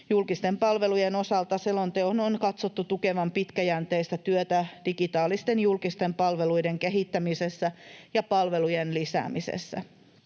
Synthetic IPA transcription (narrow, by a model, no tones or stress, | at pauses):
julkist̪empɑlʋe̞lujenosɑlt̪ɑselːont̪eononkɑt̪sot̪ːut̪ukeʋɑmpit̪kæjænt̪eist̪æt̪yøt̪æd̥ikit̪ɑːlist̪enjulkist̪empɑlʋeluideŋkeɦit̪ːæmisesːæjɑpɑlʋelujenlisæ̰ːmisḛsːæ̰